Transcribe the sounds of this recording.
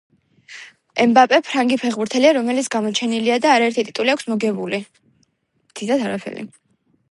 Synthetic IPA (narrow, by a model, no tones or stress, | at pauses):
ɛmbapʼɛpʰɾaŋɡipʰɛʁbuɾt̪ʰɛliaɾɔmɛlit̪sɡamɔt͡ʃʰɛniliad̪aːɾaɛɾt̪ʰit̪ʼit̪ʼuliakʰsmɔɡɛbuli | md̪id̪at̪ʰaɾapʰɛ̰ɾḭ